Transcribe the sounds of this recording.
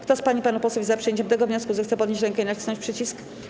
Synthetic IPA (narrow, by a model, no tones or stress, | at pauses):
kt̪ɔspaɲipanupɔswuvʲizapʂɨjeɲt͡ɕɛmt̪ɛɡɔvɲɔskuzɛxt̪sɛpɔd̪ɲeɕt͡ɕɾɛŋkɛinai̥sɔ̃ɲt͡ɕʲpʂɘt͡ɕisk